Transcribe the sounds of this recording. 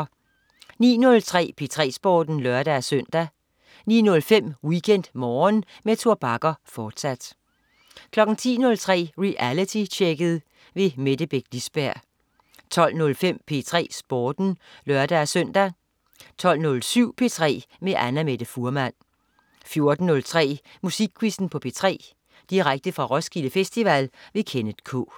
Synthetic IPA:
nḭːnɔ̽lt͡sʰʁɛ̰ːpʰe̝t͡sʰʁɛ̰ːsb̥ɒːd̥n̩lɶɐd̥æsøn̰d̥æ | niːnɔ̽lfem̰wikʰen̰d̥mɒːnmet͡sʰuɐb̥ɑ̈ɡ̥ɐfɒːd̥sæd̥ | kʰlɒ̽ɡ̥n̩t͡sʰḭːnɔ̽lt͡sʰʁɛ̰ːʁiʔælit͡sʰit͡ɕʰeɡ̥əð̩ˠ | ʋe̝med̥əb̥eɡ̥lisb̥æɐ̰ | t͡sʰɒ̽l̰nɔ̽lfem̰pʰe̝ːt͡sʰʁɛ̰ːsb̥ɒːd̥n̩lɶɐd̥æːsœn̰d̥æ | t͡sʰɒ̽l̰nɔ̽lsyʊ̰pʰe̝̰ːt͡sʰʁɛ̰ːmeʔænæmed̥əfuɐmæn̰ | fjo̝ɐd̥n̩ːɔ̽lt͡sʰʁɛ̰ː | musiɡ̥̚kʰːwisn̩pʰɒ̽pʰe̝̰ːt͡sʰʁɛ̰ː | d̥iʁaɡ̥̚d̥əfʁɑ̈ʁɒ̽sɡ̥iləfesd̥iʋælʋe̝kʰenəð̥kʰɔ̰ː

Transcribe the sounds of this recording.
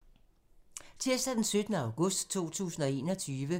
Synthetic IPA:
t͡sʰeɐsd̥æd̥ensød̥nəɑ̈ʊɡ̥ɔ̽sd̥t͡sʰo̝̰ːt͡sʰṵːsn̩ɒ̽e̝̰ːnɒ̽t͡sʰyːʋə

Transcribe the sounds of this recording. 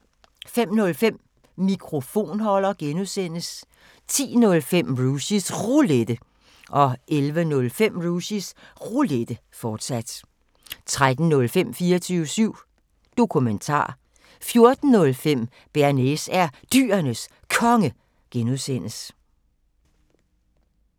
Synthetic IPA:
fem̰nɔ̽lfem̰ | mikʰʁo̝fo̝̰ːnhɒ̽l̰ɐɡ̥enuðˠsen̰əs | t͡sʰḭːnɔ̽lfem̰ʁusisʁuled̥ə | ʔɒ̽ʔelʋənɔ̽lfem̰ʁusisʁuled̥ə | fɒːd̥sæd̥ | t͡sʰʁad̥n̩nːɔ̽lfem̰fiːɐt͡sʰyːʊəsyʊ̰ | d̥o̝kʰument͡sʰɑ̰̈ː | fjo̝ɐd̥n̩nɔ̽lfem̰ | b̥æɐnesæɐd̥y̰ːɐnəs | kʰɒ̽ŋə | ɡ̥enuðˠsen̰əs

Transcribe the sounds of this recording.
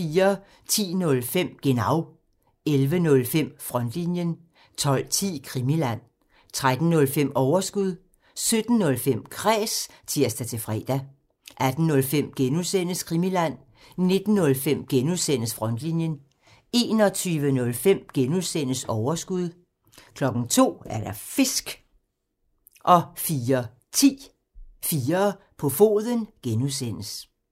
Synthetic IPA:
fiːɐ | t͡sʰḭːnɔ̽lfem̰ɡ̥e̝nɑ̈ʊ | elʋənɔ̽lfem̰fʁɒ̽n̰d̥linjən | t͡sʰɒ̽l̰t͡sʰḭːkʰʁimilæn̰ | t͡sʰʁad̥n̩nɔ̽lfem̰ɒʊɐsɡ̥uð̞̰ˠ | sød̥n̩ːɔ̽lfem̰kʰʁɛ̰ːs | t͡sʰiɐsd̥æt͡sʰe̝fʁɛ̰ːd̥æ | ʔæd̥n̩ːɔ̽lfem̰ɡ̥enuðˠsen̰əskʰʁimilæn̰ | ne̝d̥n̩ːɔ̽lfem̰ɡ̥enuðˠsen̰əsfʁɒ̽nd̥linjən | e̝̰ːnɒ̽t͡sʰyːʋənɔ̽lfem̰ɡ̥enuðˠsen̰əsɒʊɐsɡ̥uð̞ˠ | kʰlɒ̽ɡ̥n̩t͡sʰo̝̰ːæɐɾ̥ɑfe̝sɡ̥ | ʔɒ̽fiːɐ | t͡sʰḭː | fiːɐ | pʰɒ̽fo̝̰ːðˠənɡ̥enuðˠsen̰əs

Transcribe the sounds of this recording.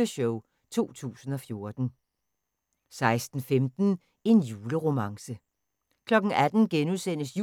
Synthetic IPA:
əɕɔʊ | t͡sʰo̝̰ːt͡sʰṵːsn̩ɒ̽fjo̝ɐd̥n̩ | sɑ̈ɪsd̥n̩femd̥n̩ | e̝njuːləʁo̝mɑ̈ŋsə | kʰlɒ̽ɡ̥n̩æd̥n̩ɡ̥enusen̰əsju

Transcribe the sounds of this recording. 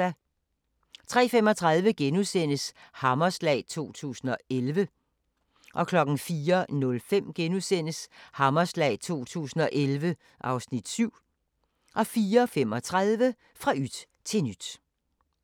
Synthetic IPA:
æ | t͡sʰʁɛ̰ːfem̰ɒ̽t͡sʰʁɑð̞ˠʋəɡ̥enusen̰əshɑ̈mɐslɛ̰ːt͡sʰo̝̰ːt͡sʰṵːsn̩ɒ̽elʋə | ʔɒ̽kʰlɒ̽ɡ̥n̩fiːɐnɔ̽lfem̰ɡ̥enuðˠsen̰əshɑ̈mɐslɛ̰ːɪt͡sʰo̝̰ːt͡sʰṵːsn̩ɒ̽ʔelʋə | ʔɑ̈ʊsnid̥syʊ̰ | ʔɒ̽fiːɐfem̰ɒ̽t͡sʰʁaðˠʋə | fʁɑ̈ʔyd̥ | t͡sʰe̝nyd̥

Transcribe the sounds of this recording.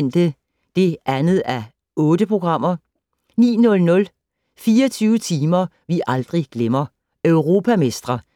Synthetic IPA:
n̰d̥ə | d̥e̝ʔænð̩ˠæ | ɔ̽ːd̥əpʰʁo̝ɡ̥ʁɑ̈m̰ɐ | nḭːnɔ̽lnɔ̽l | fiːɐt͡sʰyːʊət͡sʰiːmɐ | ʋiʔɑ̈ld̥ʁiɡ̥lemɐ | øʊʁo̝ːpʰæmesd̥ʁɐ

